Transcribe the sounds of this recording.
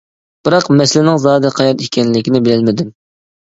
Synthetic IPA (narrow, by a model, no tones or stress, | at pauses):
b̥ɨɾɑqmɛslɪnɪŋzɑːd̪ɨqʰɑjɑɾikʲɛnlɪkʲinɪbɪlɪlmɪd̪ym